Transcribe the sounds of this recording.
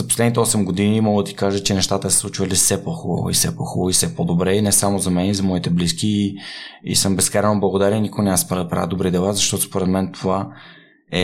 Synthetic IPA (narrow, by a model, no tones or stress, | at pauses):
zɐposlɛd̪nit̪ɛɔsɛmɡod̪inimɔɡəd̪ɐt̪i̥kaʒət͡ʃɛnɛʃt̪at̪əɛsslˠut͡ʃvɐlisɛpɔxubə̰vo̰ḭfsɛpɔxuboisɛpod̪obɾɛinɛsamozɐmɛnizɐmɔit̪ɛbliskiːḭsɤmbɛskaɾɛnoblˠɐɡod̪aɾʲɛinikoɡnʲamaspɾapɾa̰vɛd̪obɾid̪ɛlˠazɐʃt̪ɔt̪ospoɾɛt̪mɛnt̪ʰova | ɛ